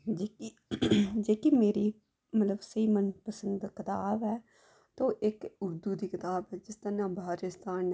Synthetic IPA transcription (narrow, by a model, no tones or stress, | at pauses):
d͡ʒeːki | d͡ʒeːkimeːɾiː | mət̪ləbsəiːmənpəsə̃nd̪kɪt̪aːbɛː | t̪oːʔɪkʊɾd̪uːd̪iːkɪt̪aːbɛːd͡ʒɪst̪əɾnãːbʱaːɾɪst̪aːn